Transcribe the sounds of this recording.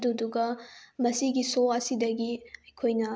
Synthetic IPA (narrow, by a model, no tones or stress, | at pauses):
duduɡɐmɐsiɡisoɐsidɐɡiɐjkʰojnɐ